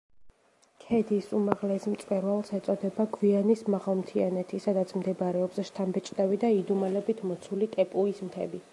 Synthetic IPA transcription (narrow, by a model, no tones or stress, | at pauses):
kʰɛd̪isumaʁlɛsmt̪sʼwɛɾvalˠsɛt̪sʼɔd̪ɛbaɡvianismaʁalˠmt̪ʰianɛt̪ʰisad̪at̪sʰmd̪ɛbɾɛɔbsʃt̪ʰambɛt͡ʃʼd̪avid̪aid̪umalɛbit̪ʰmɔt̪sʰulit̪ʼɛpʼuismt̪ʰɛ̰bi